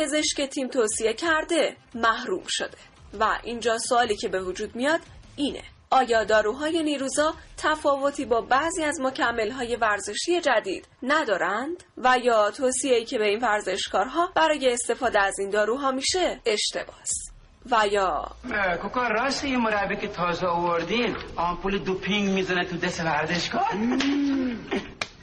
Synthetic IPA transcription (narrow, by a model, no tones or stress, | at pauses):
pʰe̞ze̞ʃce̞t̪ʰiːmt̪ʰoːsie̞cʰæɾd̪e̞mæhɾṵːmʃo̞̰d̪̥e̞ | væ̰ʔiːnd͡ʒɒːsoɒːliːcʰe̞be̞vod͡ʒuːd̪mijɒːd̪̥ | iːnḛ | ʔɒːjɒːd̪ɒːɾuːɦɒːje̞niːɾuːzɒːt̪ʰæfɒːvo̞t̪ʰiːbɒːbæziːæzmocʰæmːe̞lɦɒːje̞væɾze̞ʃije̞d͡ʒæd̪ḭːd̪̥næd̪ɒːɾænd̪̥væjɒːt̪ʰoːsieiːcʰebe̞iːnvæɾze̞ʃkɒːɾɦɒːb̥æɾɒːje̞ːst̪e̞fɒːd̪e̞æzind̪ɒːɾuːɦɒːmiʃe̞e̞ʃt̪e̞̰bɒːs | væjɒːkukɔːɾɒːst̪ijemoɾæbikʰet̪ʰɒːzɛovoɾd̪imɒːmpʰuːled̪upʰiŋɡmiːzænet̪ʰud̪esevæɾzeʃkɒːɾ